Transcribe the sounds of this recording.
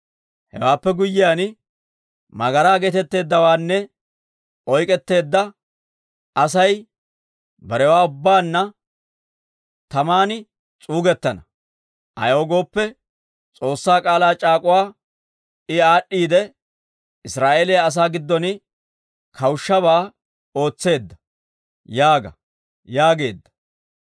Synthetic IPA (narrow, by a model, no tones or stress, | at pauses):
hɛ̰waːpːɛɡʊjːɪjaːn | mɐɡɐɾaːɡeːt̪ɛt̪ːe̞ːd̪ːɐwaːnːɛ | ʔɔjkʼɛt̪ːe̞ːd̪ːɐ | ʔɐsɐj | bɐɾɛwaːʊbːaːnːɐ | t̪ɐmaːnɪ | t͡sʼuːɡɛt̪ːɐnɐ | ʔɐ̰joːɡo̞ːpːɛ | t͡sʼo̞ːsːaːkʼaːlaːt͡ʃʼaːkʼʊwaː | ɪaːɗːiːd̪ɛ | ɪsɾaːʔeːlejaɐs̬aːɡɪd̪ːɔnɪ | kʰɐwʊʃːɐβaː | o̞ːt͡sːe̞ːd̪ːɐ̥ | jaːɡɐ̰ | jaːɡe̞ːd̪ːɐ̥